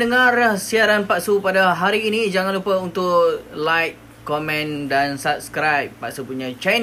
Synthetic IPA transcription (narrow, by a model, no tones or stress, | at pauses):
əŋãrahsiaɾanpaʔsupadaɦaɾiːnĩd͡ʒaŋãnlupəunt̪ʊʔlajk̚ | komɛ̃ndansap̚skɾajpːaʔsupuɲãt͡ʃajn